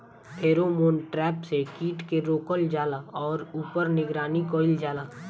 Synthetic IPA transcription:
ɦeːɾomoːnʈɾɛːpsekiːʈkeɾoːkəld͡ʒaːlaɔːɾuːpəɾnɪɡɾaːnikoːɪld͡ʒaːlaː

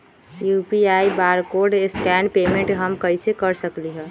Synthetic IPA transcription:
jupiaːibaːɾkoɾɖeskɛːnpeːmẽɳʈɦəmkəɪsekəɾsəkliɦɛ̃ː

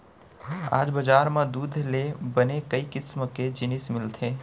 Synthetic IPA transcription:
a̰ːd͡ʒbɐd͡ʒaːɾmẽd̪uːd̪ʱlebɐnekəikɪsmked͡ʒɪnɪsmɪlt̪ʰeː

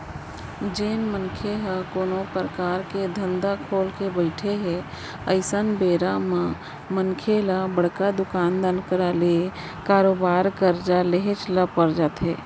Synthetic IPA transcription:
d͡ʒeːnmənkʰeɦakoːnopɾəkaːɾked̪ʱə̃nd̪akʰoːlkebəɪʈʰeɦe | əɪsənbeːɾamã | mənkʰelabəɽ̤kad̪ʊkaːnd̪ənkəɾale | kaːɾoːbaːɾkəɾd͡ʒaleɦet͡ʃlapəɾd͡ʒaːt̪ɦeː

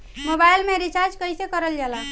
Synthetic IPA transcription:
mobajlmeɾit͡ʃaɾd͡ʒkəjsekəɾəld͡ʒala

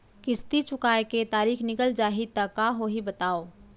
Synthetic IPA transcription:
kɪst̪it͡ʃʊkaːeket̪aːɾiːxʰnɪkəld͡ʒaːɦit̪ɐkːaːɦoɦibɐt̪aːoː

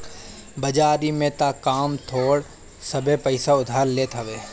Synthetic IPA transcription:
bɐd͡ʒaːɾimẽt̪akaːmt̪ʰoːɽ | sɐbʱepəɪsaʊd̪ʱaːɾleːt̪ʰɦɐʋeː

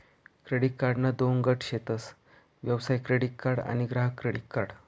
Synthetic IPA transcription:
kɾeɽiʈ̚kaɾɖnad̪onɡəʈʰɕet̪əs | ʋjəʋsajkɾeɽiʈ̚kaɾɽa̰ñiɡɾaɦəkɾeɽiʈ̚kaɾɽ

